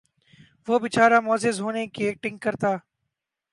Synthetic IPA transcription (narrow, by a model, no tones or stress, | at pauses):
ʋoːbɪt͡ʃaːɾaːmoːzɪzɦoːnekek̚ʈɪ̃ŋkːəɾt̪aː